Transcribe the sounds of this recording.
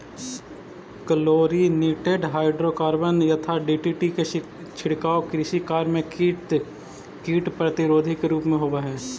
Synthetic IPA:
kəloːɾiniːʈeɖɦaːɪɖɾokaːɾbənjɐt̪ʰaɖiːʈiːʈike | t͡ʃʰɪɽkaːokɾɪʃikaːɾmẽ | kiːʈpɾɐt̪ɪɾoːd̪ʱikeɾuːpmẽɦoːʋaɦɛː

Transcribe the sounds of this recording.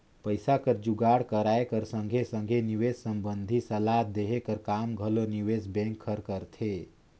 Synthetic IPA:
pəjsakəɾd͡ʒuɡaɽkəɾaekəɾsə̃ŋɡʱesə̃ŋɡʱeniʋessəmbənd̪ʱisəlad̪eɦekəɾkamɡʱəloniʋesbɛ̃ŋkʰːəɾkəɾt̪ʰe

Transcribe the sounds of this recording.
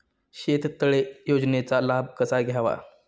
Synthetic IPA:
ɕet̪t̪əɭejod͡znet͡salab̚ʱkəsaɡʱjaʋa̰

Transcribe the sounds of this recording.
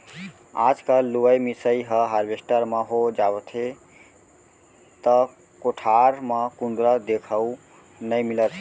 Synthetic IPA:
ad͡ʒkalːuəjmisəjɦəɦaɾbesʈəɾməɦod͡ʒabət̪ʰe | t̪ə | koʈʰaɾməkund̪ɾəd̪ekʰəu | nəjmilət̪ʰ

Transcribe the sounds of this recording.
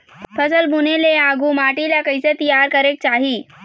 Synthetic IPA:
fəsəlbuneleaɡuːmaʈilakəjset̪ijaɾkəɾek̚t͡ɕaɦiː

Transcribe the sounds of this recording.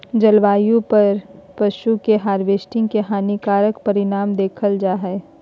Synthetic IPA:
d͡ʒɐlʋaːjõpɐɾpɐʃukeɦaːɾʋeːsʈɪ̃ŋɡkeɦaːnikaːɾəkpɐɾɪnaːmd̪eːkʰəld͡ʒaːɦɛː

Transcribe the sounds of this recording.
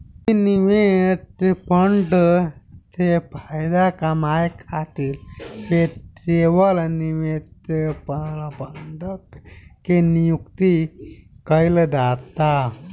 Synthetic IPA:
iniʋet̪pəɳɖ | t̪ʰepʰajd̪akamajkʰat̪iːlpeʈɾeʋəlniʋet̪pəlpəɳɖ̪əkkːenijukt̪ikəjld̪at̪a

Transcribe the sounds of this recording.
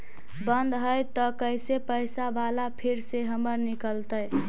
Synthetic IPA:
bənd̪ɦəjt̪ɔkəjsepəjsabalapʰiɾseɦəməɾnikəlt̪əj

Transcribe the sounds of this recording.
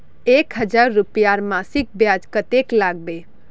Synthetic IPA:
ekɦəd͡ʒaɾːupijaɾmasik̚bjad͡ʒkət̪eklaɡ̚be

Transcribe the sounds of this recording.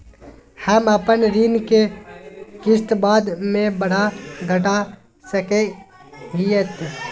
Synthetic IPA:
həməpənɾiːnke | kɪst̪baːd̪mẽbəɽ̤aɡʱəʈa | səke | ɡiet̪

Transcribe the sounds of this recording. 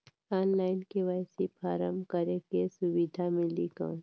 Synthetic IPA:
ɔːnlaːɪnkeʋaːjsipaːɾəmkəɾekesʊʋid̪ʱamɪ̃likã̰ː

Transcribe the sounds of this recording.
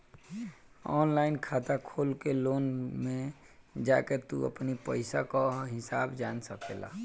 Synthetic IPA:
ɔ̰ːnlaɪnkʰaːt̪akʰolkeloːnme | d͡ʒaket̪ṵə̰pnipəɪsakaɦɪsaːbd͡ʒansəkela̰

